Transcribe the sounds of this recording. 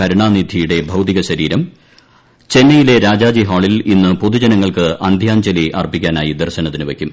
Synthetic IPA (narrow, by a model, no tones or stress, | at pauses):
ɐɾuɳaːnid̪ʱijuɽe̞bʱɐwt̪iɣɐɕɐɾiːɾɐm | t͡ɕe̞nːɐjile̞ɾaːd͡ʑaːd͡ʑiɦaːɭilinːɨpoðud͡ʑɐnɐŋːɐɭkɨʔɐnd̪ʱjaːɲd͡ʑɐliʔɐ̰rbikʲːaːnaːjid̪ɐrɕɐnɐt̪ːinɨʋekʲːum